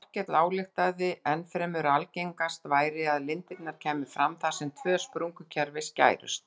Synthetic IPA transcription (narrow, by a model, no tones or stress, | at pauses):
r̥cɛt̪laːwlɪxt̪aðɪʔɛnfɾɛːmʏɾalceŋkast̪vaːjɾɪaðlɪnt̪ɪt̪naɾ̥cʰɛːmɪfɾamθḁsɛmt̪ʰvœːspɾuŋkʏcʰɛɾvɪsca̰ːjɾʏ̰st̪